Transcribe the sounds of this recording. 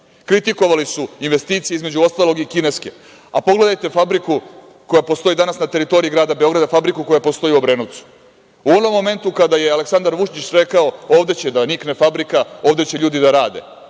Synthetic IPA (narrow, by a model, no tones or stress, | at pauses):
kɾit̪iko̞ʋalisuinʋe̞st̪iːt̪sijeizme̞d͡ʑuost̪alo̞ɡikine̞ske̞ | apo̞ɡle̞d̪ajt̪e̞fabɾiku | ko̞japo̞st̪o̞id̪anasnat̪e̞ɾit̪o̞ɾiiɡɾaːd̪abe̞o̞ɡɾad̪afabɾikuko̞japo̞st̪o̞jiubɾe̞noʋt̪su̥ | uo̞no̞mːo̞me̞nt̪ukad̪aje̞aleksand̪aɾʋuʃɲit͡ɕɾe̞kao̞o̞ːvd̪e̞t͡ɕe̞d̪aniknefabɾikao̞ːʋd̪et͡ɕeʎuːd̪id̪aɾaːd̪e̞̰